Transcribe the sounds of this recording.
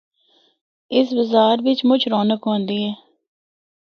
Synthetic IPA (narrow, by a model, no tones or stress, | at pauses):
ɪs̬bəzaːɾʋɪt͡ʃmʊt͡ʃʰɾoːnəkɦõːnd̪iːɛː